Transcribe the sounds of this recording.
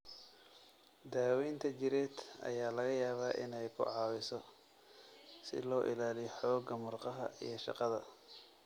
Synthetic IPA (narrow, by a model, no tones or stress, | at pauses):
d̪aːwɛjnt̪ʰɐd͡ʒɪɾɛːt̪ɐ̰jaːlɐɣɐjaːβaːʔɪ̰nɛjkʰʊ̰ʕɑːwɪsɔ | sɪ̰lɔːʔɪlaːlɪjɔħɔːɡɐmʊrqɑɦɐ̰ḭjɞʃɑ̰qɑðɐ̰